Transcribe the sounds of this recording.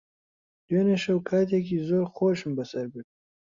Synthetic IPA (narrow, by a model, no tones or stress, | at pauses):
d̪oneʃawkʰaːt̪̬ak̬izoɾxoːʃmbasaɾbi